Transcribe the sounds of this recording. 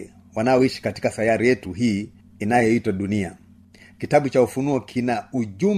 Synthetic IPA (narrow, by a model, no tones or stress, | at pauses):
wanaɔiʃi̥kati̥kaθajaɾijɛtuɦiː | inajɔitwaɗunia | kitaɓut͡ʃaufunuɔkʰinauʄum